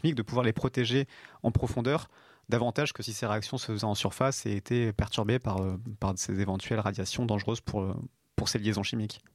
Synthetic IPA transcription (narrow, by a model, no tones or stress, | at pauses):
mik̚d̪əpuvwaʁlepχɔt̪eʒeɑ̰̃pχɔfɔ̃d̪œʁ | d̪avɑ̃t̪aʒkəsiseʁeaksjɔ̃səfəzɛɑ̃syʁfaseet̪ʰepɛʁt̪yʁbepaʁøpaʁsezevɑ̃t̪ɥɛlʁad̪jasjɔ̃d̪ɑ̃ʒʁøzpʰuʁ | puʁseljezɔ̃ʃimik